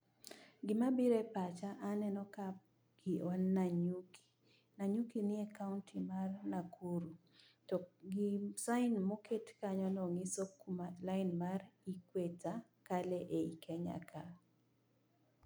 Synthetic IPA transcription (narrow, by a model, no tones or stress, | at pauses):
ɡɪmabiɾɛpat͡ʃaʔanɛnɔka | ɡɪɔnːaɲukʰi̥ | naɲukinɪɛkaʊntʰimarnakʰuɾu | tɔɡisaɪnmɔkʰetkaɲɔnɔŋisokmalaɪnmarikweta | kalɛʔeikʰɛɲa̰kʰa